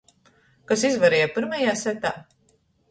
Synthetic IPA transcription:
kasizvaɾɛːjɛpiɾmajaːsɛt̪a̰ː

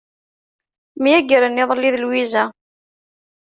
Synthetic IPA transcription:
mijæɡəɾənːɪðˤəlːiðəlwizæ

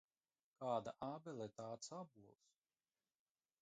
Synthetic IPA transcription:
kaːd̪a̰ʔabɛlˠit̪aːt̪sabulˠs

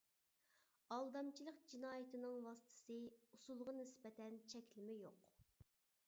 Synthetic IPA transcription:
ɑlˠd̪ɑmt͡ʃʰilˠəqd͡ʒinɑːjɪt̪ɨnɨŋwɑsɨ̥t̪ʰɨ̥sɨusulˠʁɑnɪsbɛt̪ʰɛnt͡ʃʰɛkʲlɪmɪjoq

